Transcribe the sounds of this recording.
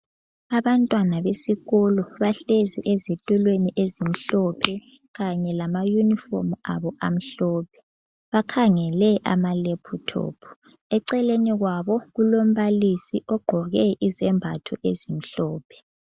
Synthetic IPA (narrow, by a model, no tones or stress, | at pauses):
aβantʼwanaβesiɣɔlɔβaɬeziʔezetʼulweniʔezim̩ɬɔpʰɛ | ɣaɲɛlamajunifɔ̰ma̰βɔʔa̰m̩ɬɔːpʰɛ̥ | βakʰaŋɛlɛʔa̰malepʰutʰɔ̰ːpʰɔ̥ | ɛǀɛleniɣwaβɔɣulom̩βalisiʔɔɡ͡ǃʱɔɣɛʔizɛmbʱatʰɔ̰ʔḛzim̩ɬɔːpʰɛ̥